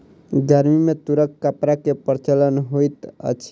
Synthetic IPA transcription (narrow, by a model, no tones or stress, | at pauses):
ɡəɾmimet̪uɾəkːəpɾakepəɾt͡ʃələnɦojt̪ə̰t͡ʃʰ